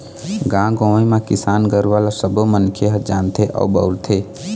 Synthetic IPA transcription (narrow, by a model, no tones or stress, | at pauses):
ɡãɡõemakisaːnɡəɾʋalasəbomənkʰeɦəd͡ʒant̪ʰeʔɔ̰ubəult̪ʰe